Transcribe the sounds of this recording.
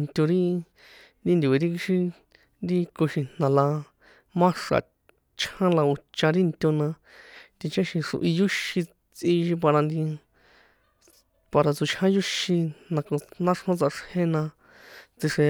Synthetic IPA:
nt̪ʲo˧ɾi˦ | nd̪i˦nd̪ʲu˨e˧ɾi˦ki˧ʃi˧ | nd̪i˧ko˧ʃĩ˧n̥nã˨la˧ | mã˦ʂa̰˨ | t͡ʃʰhã˦la˧u˧t͡ʃã˧ɾi˦nt̪ʲo˧nã˧ | t̪i˧t͡ʃã˦ʃĩ˧ʂṵ˧ʔi˧ju˦ʃi˧ | t͡sĩ˧ʃi˧p̬a˧ɾa˧nd̪i˧ | pa˧ɾa˧t͡su˧t͡ʃʰhã˦ju˦ʃĩ˧nã˧ko˧nã˦ʂhõ˦t͡sa˧ʂhẽ˦nã˧ | t͡si˧ʂe˧

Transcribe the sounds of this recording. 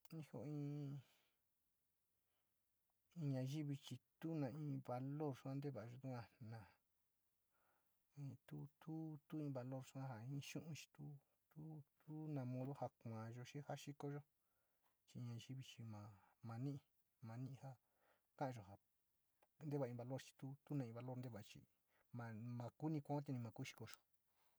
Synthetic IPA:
nĩ˧˦ho̰˧˨˧ĩː˦˧˦ | ĩ˧ɲã˧ʒi˦βi˧t͡ʃi˧t̪u˦nã˧ĩː˧βa˧lo˦˨ɾsu˦ã˦˧nd̪e˦βa˨˧ʒo˧t̪u˦kʷã˧nã˨ | ĩː˧t̪u˦t̪u˦t̪u˦ĩː˧βa˧lo˦˨ɾʂu˦ã˦ɦa˨ĩː˦˧˦ʃũ˦ʔũ˧t͡ʃi̥˧t̪u˦ | t̪u˦t̪u˦nã˧mõ˧ðo˦ha˧kʷã˨ʒo˧ʃi˦ha˦ʃi˦ko˧ʒo˦ | t͡ʃĩ˧ɲã˧ʃi˦βi˧t͡ʃi˧mã˨˧mã˧nĩ˦ʔĩ˧ | mã˧nĩ˦˧ha˦ | kã˦ʔã˧ʒo˨ha˨ | nd̪e˦βa˨ĩ˧βa˧lo˦ɾt͡ʃi̥˧t̪u˦t̪u˦nã˧ĩ˧βa˧lo˦ɾnd̪e˦˧βa˨˧t͡ʃḭ˧ | mã˧mã˧ku˦nĩ˧kʷã˧˦t̪̬i˧nĩ˧mã˧ku˦ʃi̥˧ko˧ʒo˨

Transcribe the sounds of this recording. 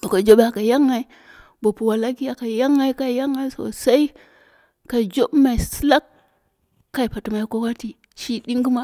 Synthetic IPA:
o˨ka˨d͡ʒo˦ɓa˨ka˨ja˦ŋa˨i˦ | bo˨pu˨wa˨la˦ki˦ja˨ka˨ja˦ŋa˦i˦ka˦˨ja˦ŋːa˦i˦so̰˨sa˦i˦ | ka˨d͡ʒo˦bma˨i˨si˦la˦kː | a˦i˨pa˨tu˨ma˨i˦kʷo˦wa˦ti˨ | t͡ʃi˦ɗi˦ŋɡi˦ma˦

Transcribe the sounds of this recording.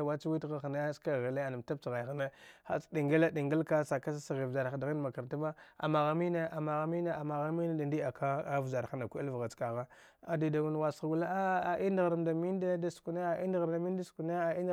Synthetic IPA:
a˨wa˦t͡ʃwi˦tɣa˦xne˦ska˦˨ɣa˨le˦a˨na˨m˨ta˦b̚t͡sɣa˨jxne˦xa̰˦˨t͡sdi˨ŋɡa˦la˦di˨ŋɡa˦lka˦sa˨ka˦s̬a˦sa˨ɣi˨vza˨ɾa˨da˨ɣi˦n˦ma˨ka˨ɾta˦ba˦a̰˨ma˨ɣa˦mi˦ne˦ʔa˨ma˨ɣa˦mi˦ne˦a˨ma˨ɣa˦mi˦ne˦da˨n˦di˦a˨ka˦a˦vza˨ɾa˦na˨kʷu˦a̰˦lvɣa˨t͡ska˨ɣa˦ | a˨di˨da˨mu˦n˨wa˨sɣɡu˦la˦a˦a˨ʔi˦ndɣa˨ɾda˨mi˦n˦de˦da˦sku˨ne˦a˨ʔḭ˦ndɣɾda˨mi˦n˦da˦sku˨ne˦a˨i˦n˦

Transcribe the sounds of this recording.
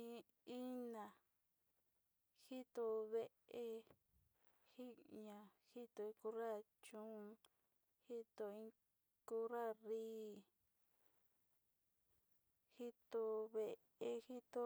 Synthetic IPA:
ĩ˧ | i˦nã˨ | hi˦t̪o˧βe˦ʔe˧ | hi˦ɲã˨hi˦t̪o˧ĩ˧ku˧ɾa˦˨ | t͡ʃũ˦˧ | hi˦t̪o˧ĩ˧ | ku˦ɾa˦riː˦ | hi˦t̪o˧βe˧ | e˧hi˦t̪o˧

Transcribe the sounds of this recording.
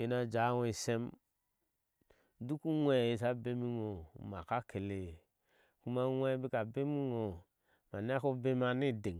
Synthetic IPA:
e˦na˦d͡ʒa˨˦wi˨se˦m | du˦ku˦ŋʷɛ˦˨e˦˨s̬a˦be˦mi˦ŋo˨ma˨ka˦ke˨le˨ | ku˦ma˦ŋʷɛ˦bi˦ka˨be˦mi˦ŋo˨ | ma˨n˦a˦ko˦be˦ma˦ni˦˨de˨

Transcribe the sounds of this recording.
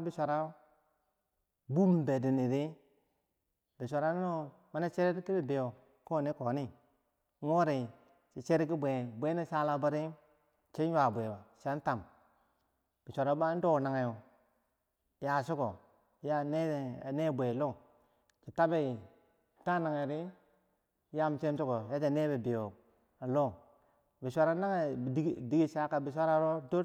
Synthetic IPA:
bi˨ʃʷa˨ɾa˦ | bu˦m˨be˨di˨ni˨ɾi˦ | bi˨ʃʷa˨ɾa˦n˦no˦ | ma˨˦na˦t͡ʃe˦ɾe˦ɾki˦bi˨be˨jo˨ | ko˦˨ni˦ko˨˦ni˦ | ŋo˦ɾi˨ | t͡ʃi˨t͡ʃe˦ɾi˦ki˦bʷe˨bʷe˦ni˦sa˦la˦ba˦ɾi˦ | t͡ʃe˦ɲ˦wa˨bʷe˨ba˨ʃa˦n˦ta˨m | b̥i˨ʃʷa˨ɾa˨˦ba˦do˦˨na˨ŋa˨jo˨ | ja˨su˦ko˨ | ja˦ne˦˨a˨ne˦˨bʷe˨lo˦˨ | t͡ʃi˨ta˦be˦˨ | ta˦na˨ŋa˨ɾi˦ | ja˦m˨t͡ʃe˦m˦t͡ʃu˦ko˨ja˦d͡ʒa˨ne˦be˨bi˨jo˨ | a˨lo˦ | bi˨ʃʷa˦ɾa˦na˦ŋe˦˨˦di˦ɡi˦ʃa˦ka˨bi˨ʃʷa˦ɾa˦ɾo˦do˦

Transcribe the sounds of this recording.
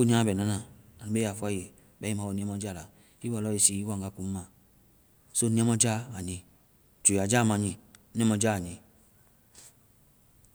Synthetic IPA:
o˦ɲ˦ã˦bɛ˨nã˦nã˨a˨nu˨˦e˦a˨fu˦a˦˨je˨ | bɛ˦i˦mã˨˦wo˨nĩ˦a˦mɔ˦d͡ʒa˦˨la˨ | i˦a˨lɔ˦i˨si˦i˦wa˦˨ŋ˨ɡa˦˨ku˦mã˨ | so˦nĩ˦a˦mɔ˦d͡ʒa˦a˨ɲĩ˨ | t͡ʃe˨a˨d͡ʒa˦˨mã˨ɲĩ˨˦nĩ˦ɛ̃˦mɔ˧d͡ʒa˦a˨ɲi˨

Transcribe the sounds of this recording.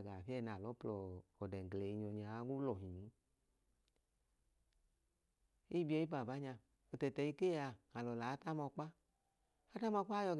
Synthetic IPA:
ɡa˨fi˦ɛ˦˨na˨lɔ˨˦plɔː˧˨dɛ˨ŋ˨ɡle˨i˧ɲɔ˧ɲa˧˦ɡu˦lɔ˨ɦi˨ɲi˨˦ | i˦bi˦ɔ˧˦i˦pa˨ba˨˦ɲa˧ | o˧tɛ˨tɛ˨i˧ke˦˨a˧a˨lɔ˨la˨˦ta˦mɔ˧k͡pa˦ | a˦ta˦mɔ˧˦k͡pa˦jɔ˧ɡ

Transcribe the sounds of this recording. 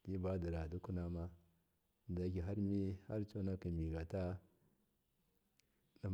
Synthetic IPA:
di˦ba˦di˨ɾa˨du˦ku˦na˦ma˦˨ | da˨˦ki˨ɦa˦ɾmi˦ha˦ɾt͡ʃo˦na˦ki˨mi˨ɡa˨ta˦ | na˨

